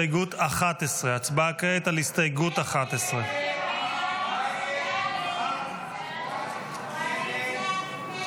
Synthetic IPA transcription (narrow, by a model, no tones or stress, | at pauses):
ɡut̪aχat̪esʁeat͡sbakʁeet̪alist̪ajɡutaχat̪esʁe